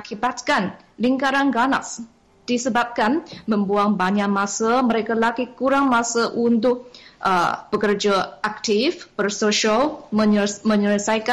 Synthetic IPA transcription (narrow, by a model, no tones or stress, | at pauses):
akibat̪̚kan | liŋkaɾanɡana̰s | d̥isəbap̚kanmə̃mbuaŋbaɲaʔmãsəməɾekalaɡikuɾaŋmasəʔunt̪ʊk̚ʔəb̥əkərd͡ʒaak̚t̪ifbərsoʃələmə̃ɲələsajka